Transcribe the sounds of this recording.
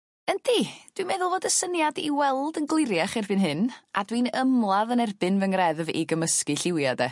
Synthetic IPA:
əndid̥wimɛðʊlˠvoːdəsənjadiwɛlˠdənɡlˠɪɾjaχɪrbɨnɦɨna̰dwinəmlˠaðənɛrbɨnvəŋrɛðvḭɡəməskɨɬɪwjadɛ

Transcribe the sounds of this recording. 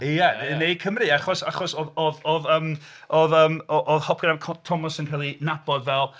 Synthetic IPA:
ijɛenej̚kʰəmriaχɔsa̰χɔsoðoðɔðəːm | oðəːmɔʔɔðhɔp̚ʰɡ̥ɾavkʰɔtʰɔmɔsənkʰalˠinab̥ɔdvɛlˠ

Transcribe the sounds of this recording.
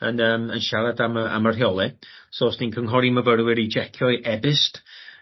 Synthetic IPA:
ənəːmənʃaɾadaməʔa̰marɦjɔlˠɪsoːsd̥inkʰəŋɦɔɾiməvəɾwɪɾid͡ʒɛkʰjɔɨʔɛbɪst

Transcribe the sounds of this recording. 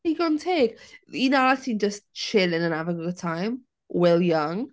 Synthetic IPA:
iɡontʰeːɡ̥inaasĩnd͡ʒəstt͡ʃʰɪlɪ̃nə̃navəɡəɡətʰajm | wɛlˠjʌŋ

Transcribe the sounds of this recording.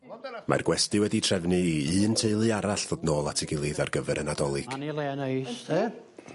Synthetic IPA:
mʔa̰rɡwɛstɨwɛditʰr̥ɛvnɨɨːntʰeɨlˠɨaɾaɬðodnoːlˠatʰɪɡɪlˠɨðarɡəvɛɾʔənadɔlˠɨɡ̥nilˠeːnejste

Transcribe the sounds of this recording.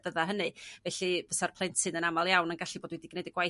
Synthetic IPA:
b̥əðaɦənɨvɛɬivəsarpʰlˠɛntsɨnənamalˠjawnənɡaɬiboːdwɛdiɡnedəɡwaj

